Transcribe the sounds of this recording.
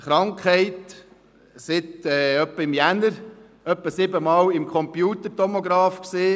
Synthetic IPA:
χɾɑŋkχhɛɪt̪ | sɪt̪ɛːœpːəɪmjænəɾ | œpːəsɪbəmɑːlɪmkʰɔmpjuːt̪əɾtɔmoɡɾɑːfksiː

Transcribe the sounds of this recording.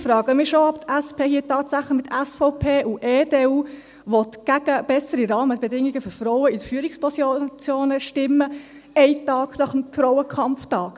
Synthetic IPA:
fɾɑːɡəmiːʃoɑpt̪æspʰeːhiːtɑːtsæχləχmɪt̪ːæsfɔʊpʰeːʔuʔeːdeːuː | ʋɔtɡ̥æɡ̥əb̥ɛsəɾiɾɑːməb̥ɛdɪŋːiɡ̥əføɾfɾɔʊəidəfyːɾikspɔsjot͡sjoːnəʃtɪmːə | ɛɪtɑːɡ̥nɑχəmfɾɔʊəkʰɑmftɑːk

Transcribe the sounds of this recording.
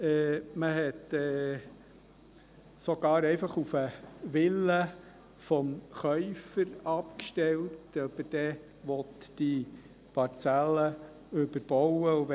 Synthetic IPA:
ɛːməɦɛt̪ɛː | sɔɡ̥ɑːɾɛɪfɑχufəʋɪlːə | fɔmχœʏfəɾɑpkʃtɛltøbəd̥ɛ | ʋɔt̪d̥i | pɑɾt͡sælːə | ʉbəɾb̥ɔwəuʋ

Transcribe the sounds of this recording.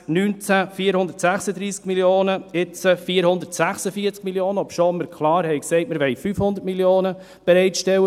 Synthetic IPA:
nyːnt͡sæfiːɾhʊndəɾtsæχsəd̪ɾiːskmiljoːnəɪt͡səfiːɾhʊnd̪əɾtsæχsəfiəɾt͡skmiljoːnəɔpʃoməɾkʰlɑːɾhɛɪksɛɪt̚məɾʋɛɪfyfhʊnd̪əɾtmiljoːnə | b̥ɛɾɛɪtʃtɛwə

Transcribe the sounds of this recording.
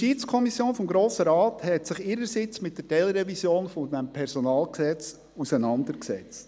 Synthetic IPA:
ʃiːt͡skʰɔmisjoːnfɔmɡɾoːsəɾɑːthɛtsɪχɪɾəɾsɪt͡smɪt̚d̥əɾdɛlɾɛvisjoːnfɔdɛmpʰɛɾsɔnɑːlksɛt͡s | usənɑndəɾksɛ̰t͡st

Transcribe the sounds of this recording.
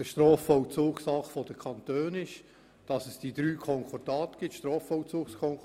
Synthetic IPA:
əʃtrɔːfɔwt͡suːksɑχfɔd̥əkʰɑntøːnɪʃ | d̥ɑsəsd̥id̥ɾyːkʰɔŋkʰɔd̥ɑːt̪ɡ̥ɪtʃtɾɔːfɔwt͡suːkskʰɔŋ

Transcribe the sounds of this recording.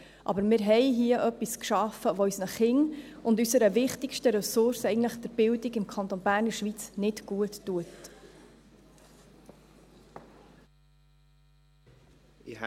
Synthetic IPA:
ʔɑ̰bəɾmɪɾɦɛjɦiəʔœpːiskʃɑfəʋoysnəχɪŋ | ʊndysəɾəvɪχtikʃtəɾɛsʊɾsɛɪjɡən̩tləχd̥̪ɛɾb̥ɪldiɡɪmkʰɑnt̪ɔnbæːɾnəɾʃʋit͡snɪtɡ̥uətːuət

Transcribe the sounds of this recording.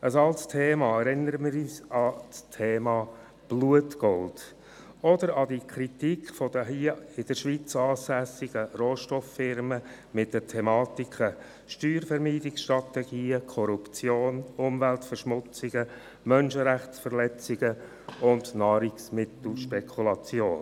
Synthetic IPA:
əsɑltstʰeːmɑːɛɾɪnəɾəmɪɾyːsɑstʰeːmɑː | b̥luətɡ̥ɔld | ɔdəɾɑdikʰɾit̪ikʰfɔd̥əɦiəɪd̥əɾʃʋiːt͡sɑːsæsɪɡ̥əroːʃtɔfːɪɾmə | mɪt̚dətʰɛmɑːtikʰə | ʃtyːɾfɛɾmiːdɪksʃtɾɑt̪ɛɡ̥iːəkʰɔɾupt͡sjoːnʊmvæltfəɾʃmʊt͡sɪɡ̥ə | mœnʃəɾæχt͡sfəɾlɛt͡sɪɡ̥ə | ʊndnɑːɾiksmɪt̪l̩ʃpɛkʰulɑt͡sjoːn

